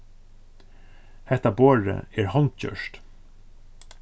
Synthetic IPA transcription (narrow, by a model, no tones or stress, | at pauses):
hɛt̪ɑboːɹə̰eːɹhɑnt̪c͡çœ̰ʃt